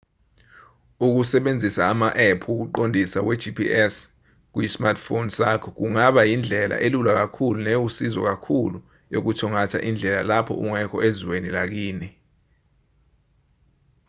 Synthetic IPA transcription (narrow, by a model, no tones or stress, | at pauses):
uk̬usɛɓend͡zʱisaːmaʔɛpʰuk̬uǃondʱisawɛ̥d͡ʒʱipʰḭʔɛs | k̬ujismartʰfonsakʰɔk̬uŋaɓajind͡ɮʱɛlʔa̰ʔelulak̬akʰuluneusizɔk̬akʰulu | jok̬utʰɔŋatʰa̰ʔind͡ɮʱɛla̰lapʰɔ̰ʔuŋɛkʰɔʔeziwenilak̬iːni